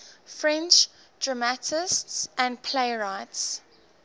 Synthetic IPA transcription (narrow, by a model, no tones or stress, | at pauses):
fɹɛ̃nt͡ʃd̥ɹamatʰɪstsʔæ̃npʰleɪɹaɪts